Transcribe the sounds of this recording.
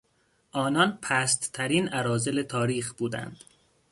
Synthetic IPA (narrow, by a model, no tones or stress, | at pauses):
ʔɒːnɒnpʰæːst̪t̪ʰæɾiːnæɾɒːze̞let̪ʰɒːɾiːxb̥uːd̪æ̰nd̪̥